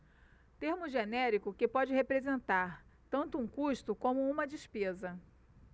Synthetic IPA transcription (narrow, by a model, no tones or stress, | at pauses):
t̪eɾmʊʒenɛɾikʊkɪpɔd͡ʒɪɦepɾezẽnt̪aɾt̪ɐ̃nt̪ʊũkuʃt̪ʊkõmʊũmɐd͡ʒispezɐ